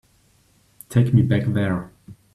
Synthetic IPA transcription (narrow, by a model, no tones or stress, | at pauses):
tʰeɪkmibækðɛɹ